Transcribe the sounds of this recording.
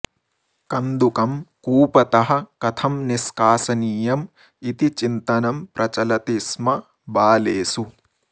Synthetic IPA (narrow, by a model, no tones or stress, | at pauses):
kɐnd̪ukɐmkuːpɐt̪ɐɦɐ̆kɐt̪ʰɐmniskaːsɐniːjɐm | it̪it͡ʃint̪ɐnɐmpɾʔɐt͡ʃɐlɐt̪ismɐ | baːleːsu